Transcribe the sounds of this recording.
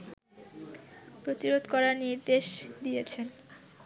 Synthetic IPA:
pɾot̪iɾod̪kɔɾaɾniɾd̪eʃd̪iet͡ɕʰen

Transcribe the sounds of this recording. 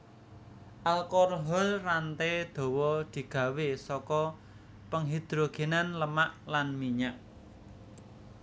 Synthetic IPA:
ʔalkɔrɦɔlrant̪ed̪̥ɔ̤wɔd̪̥i̤ɡ̥ä̤wesɔkɔ | pəŋɦid̪̥ɾoɡ̥e̤nanləmaʔlanmiɲaʔ

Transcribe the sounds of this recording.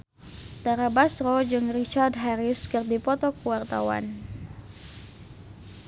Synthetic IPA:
t̪aɾabasɾɔd͡ʒɨŋrit͡ʃardɦaɾɪskɨrdipɔt̪ɔkuwart̪a̰wa̰n

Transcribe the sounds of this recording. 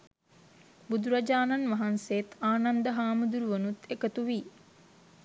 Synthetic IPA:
bud̪uɾad͡ʒaːnanʋaɦansejet̪aːnand̪əɦaːməd̪uɾuʋənut̪ekət̪uʋi

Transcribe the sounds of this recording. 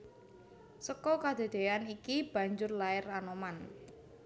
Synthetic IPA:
səkɔkad̪̥e̤d̪̥e̤anikib̥a̤ɲd͡ʒʊrlaɪranoman

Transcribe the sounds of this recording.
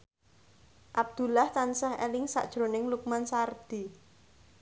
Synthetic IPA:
ʔab̚d̪̥ṳlaht̪ansahɛ̰lɪŋsa̰ʔd̥ʒ̥ɾo̤nɪŋluk̚mansard̪̥i̤

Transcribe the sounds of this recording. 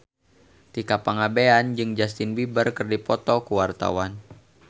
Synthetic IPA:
t̪ikapaŋabeand͡ʒɨŋd͡ʒast̪ɪnbibərkərdipɔt̪ɔkuwart̪a̰wan

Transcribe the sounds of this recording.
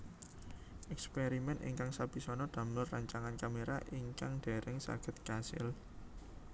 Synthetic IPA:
ʔɛkspeɾimɛnḭŋkaŋsab̥i̤sɔnɔd̪̥a̤mlʊrːaɲt͡ʃaŋankameɾaʔiŋkaŋɖ̥e̤ɾʔɪŋsa̰ɡ̥ə̤t̪̚kasɪ̰l

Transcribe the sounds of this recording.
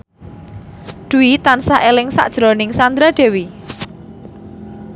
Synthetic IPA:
d̪̥uit̪ansaʔelɪŋsa̰ʔd̥ʒ̥ɾɔnɪŋsand̪ɾad̥e̤wi

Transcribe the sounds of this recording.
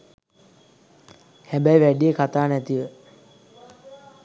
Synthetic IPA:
hæbæjʋæɖijekʰat̪aːnæt̪iʋə

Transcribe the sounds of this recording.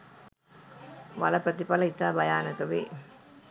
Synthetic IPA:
ʋɐlɐpɾɐt̪ipɐlɐɪt̪ːaːbɐjaːnɐk̪ɐʋḭ

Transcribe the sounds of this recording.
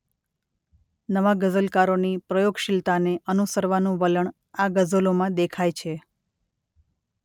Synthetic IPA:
nəʋaɡəzəlkaɾonipɾəjoɡʃɪlt̪aneʔənusəɾʋanũʋələɳ | aɡəzəlomãd̪ekʰajt͡ʃʰe

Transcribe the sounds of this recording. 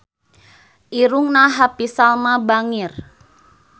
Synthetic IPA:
ʔiɾʊŋnaɦapisalmabaŋɪr

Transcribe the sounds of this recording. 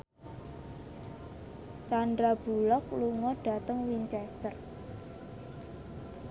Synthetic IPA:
sandɾab̥ṳlɔkluŋɔɖ̥a̤t̪əŋwiɲt͡ʃɛst̪ər

